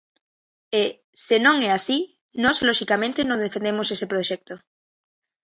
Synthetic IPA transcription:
e | senõŋɛasi | nɔzloʃikamẽnt̪enõnd̪efend̪emosesepɾoʃɛk̚t̪o

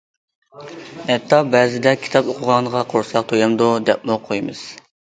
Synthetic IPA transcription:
ɛt̪ʰːɑbɛzɪd̪ɛkʲʰi̥t̪ʰɑpoqʰʊʁɑnʁɑqʰoɾsɑq̚t̪ʰojɑmd̪ud̪ɛpmuqʰojmɨz̥

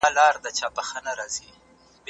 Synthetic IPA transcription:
lɑɾd̪ət͡ʃɑpaxənaɾɑzi | b

